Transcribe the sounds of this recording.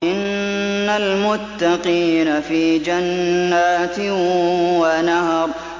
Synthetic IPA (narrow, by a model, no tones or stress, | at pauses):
ʔɪnːalmʊt̪ːɑqiːnafiːd͡ʒanːaːt̪ɪwanahɑɾˤ